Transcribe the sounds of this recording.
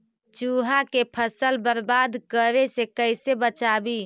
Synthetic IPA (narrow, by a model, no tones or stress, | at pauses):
t͡ʃuɦakepʰəsəlbəɾbad̪kəɾesekəɪsebət͡ʃabi